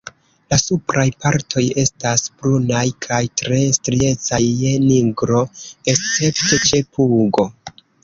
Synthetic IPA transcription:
lasupɾajpaɾtʰo̞je̞stasb̥ɾunajkʰajtɾe̞stɾie̞t͡sajːeniɡɾo̞e̞st͡se̞pte̞t͡ʃe̞pʰuɡo̞

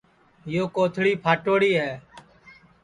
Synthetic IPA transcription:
ɦɪjoːkoːt̪ʰɽiːpʰaːʈoːɽiːɦɛː

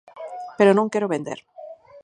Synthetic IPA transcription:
peɾonõŋkeɾʊβend̪ḛɾ

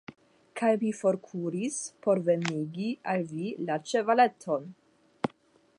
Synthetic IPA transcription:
kʰajvifo̞ɾkʰuɾispo̞ɾve̞niɡialvilat͡ʃe̞vale̞tʰo̞n

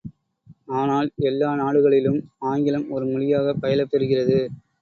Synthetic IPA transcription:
aːnaːlɛlːaːnaːɽɯɣɐɭɪlɯmaːŋɡɪlɐmɔɾɯmʊlɪjaːɣɐpːɐjɐlɐpːɛɾɯɣɪrɐðɯ

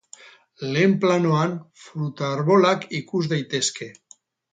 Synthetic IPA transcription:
lemplanoanfɾut̪aːɾβolakikuzðejt̪eske

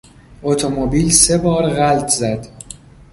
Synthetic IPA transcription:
ʔot̪ʰomobiːlse̞bɒːɾɣælt̪ʰzæd̪

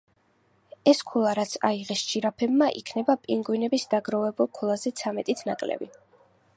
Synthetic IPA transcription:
ɛskʰulˠaɾat̪sʰa̰iʁɛst͡ʃʰʼiɾapʰɛbmaʔḭkʰnɛbapʼiŋɡwinɛbisd̪aɡɾɔvɛbulˠkʰulˠazɛt̪sʰamɛt̪ʼit̪ʰnakʼlɛ̰bi

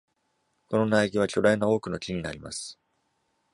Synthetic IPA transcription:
ko̞no̞naiɡʲiβat͡ɕo̞ɾainao̞ːkɯ̟no̞t͡ɕiɲ̟inaɾʲima̰sɨ̥

